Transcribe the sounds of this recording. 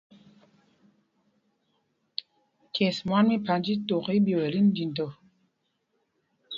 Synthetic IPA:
kʰɛ˨smwa˦nmi˦pa˨n˦d͡ʒi˦to˨ki˦bji˨wɛ˨li˦n˦di˨n˨to˨

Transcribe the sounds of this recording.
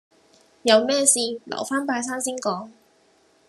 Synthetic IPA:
jɐ˨˧wmɛː˥˧siː˨˧lɐ̰˨˩wfaː˥npaː˧js̬aː˥nsiː˥nkɔː˨˥ŋ

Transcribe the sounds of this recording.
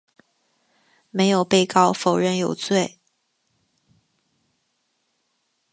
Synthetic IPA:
me˧˥ɪjo˨˩ʊpe˥˧ɪkɑ˥˩ʊfo˨˩ʊɻə˥˩njo˨˩ʊt͡swe˥˩ɪ

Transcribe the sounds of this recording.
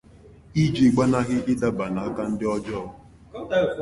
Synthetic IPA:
i˦d͡ʒi˨ɡ͡ba˦na˦ɣɪ˦ʔɪ˦da˦ba˨na˨a˦ka˦n̩˦dɪ˦ɔ˦d͡ʒɔ˦˨˦

